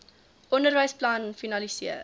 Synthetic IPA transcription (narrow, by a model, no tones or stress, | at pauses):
ʔɔndərvəjsplɐnfinɐlisiə